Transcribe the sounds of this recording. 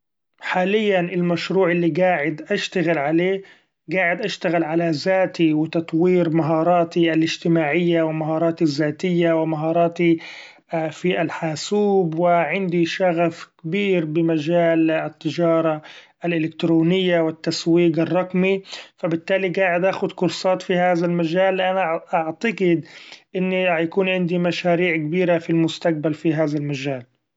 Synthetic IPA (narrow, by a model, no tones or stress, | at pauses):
ħaːlɪjːanʔɪlmaʃɾuːʕɪlːiɡaːʕɪd̪ʔaʃt̪aɣɪlʕaleː | ɡaːʕɪd̪ʔaʃt̪aɣɪlʕalazaːt̪iwɪt̪ɑt̪ˤwiːɾmaɦɑːɾˤɑːt̪ialɪd͡ʒt̪ɪmaːʕɪjːawɪmaɦɑːɾˤɑːt̪izːaːt̪ɪjːawɪmaɦɑːɾˤɑːt̪i | fiʔalħaːsuːbwɪʕɪnd̪iʃaɣafkabiːɾbɪmad͡ʒaːlɪt̪ːɪd͡ʒɑːɾˤɑ | alʔɪlɪkt̪ɾoːnɪjːawɪt̪ːaswiːɡɨrˤːɑqmifabɪt̪ːaːliɡaːʕɪd̪ʔaːxʊd̪kʊɾsˤɑːt̪fihaːðalmad͡ʒaːlːʔanaʔaʕt̪aɡɪd̪ʔɪnːijakuːnʕɪnd̪imaʃaːɾiːʕkabiːɾafilmʊst̪aq̚balfiɦaːðalmad͡ʒaːl